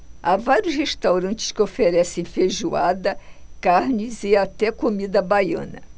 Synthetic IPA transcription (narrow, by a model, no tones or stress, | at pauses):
avaɾjʊsheʃt̪awɾɐ̃nt͡ʃɪ̥skɪofeɾɛsẽj̃feʒuad̪ɐkaɾnɪzɪat̪ɛkomid̪ɐbajɐ̰̃nɐ̰